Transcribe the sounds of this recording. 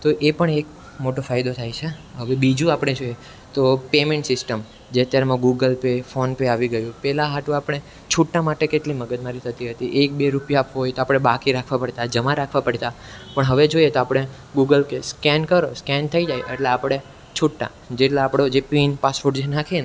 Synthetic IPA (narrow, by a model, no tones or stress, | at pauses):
t̪oʔepəɳek̚ | moʈofajd̪ot̪ʰajt͡ʃʰeɦəʋebid͡ʒũapɽ̃ed͡ʒoje | t̪opemeɳʈsɪsʈəm | d͡ʒeət̪jaɾmãɡuɡəlpefonpeaʋiɡəjũpɛlãɦaʈũapəɽ̃e | t͡ʃʰuʈːamaʈekeʈliməɡəd̪maɾit̪ʰət̪iɦət̪iʔek̚beɾupjaapʋuɦojt̪oapɽ̃ebakiɾakʰʋãpəɽt̪ad͡ʒəmãɾakʰʋãpəɽt̪a | pəɳɦəʋed͡ʒoijet̪oapɽ̃e | ɡuɡəlkeskɛnkəɾoskɛnt̪ʰəid͡ʒajʔḛʈleapɽ̃e | t͡ʃʰuʈːa̰ | d͡ʒeʈlaapɽod͡ʒepinpasʋoɾɖd͡ʒenakʰene